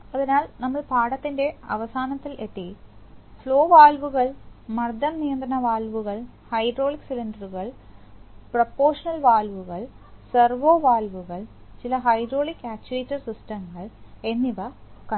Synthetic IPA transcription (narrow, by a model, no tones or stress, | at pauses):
ɐðinaːlnɐmːɐɭpaːɽɐt̪ːinde̞ɐ̰ʋɐsaːnɐt̪ːilʔeʈːifɭo̞ːʋaːlʋuɣɐɭmɐrd̪ʱɐmnijɐnd̪ɾɐɳɐʋaːlʋuɣɐɭ | hɐjdro̞ːɭiksilindɐɾuɣɐɭ | prɐpːoːrʂɐnɐlʋaːlʋuɣɐɭ | sɐrʋoːʋaːlʋuɣɐɭt͡ɕilɐɦɐjdro̞ːɭikːaːt͡ɕːueːtːɐrsisʈɐmɣɐɭe̞nːiʋɐkɐ